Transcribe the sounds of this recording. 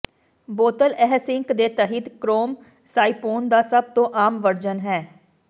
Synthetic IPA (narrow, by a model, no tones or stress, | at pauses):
boːt̪əlɛːsɪŋkd̪eːt̪əɦid̪kɾoːm | saːipoːnd̪aːsəb̚t̪õːʔaːmʋəɾd͡ʒənɦɛː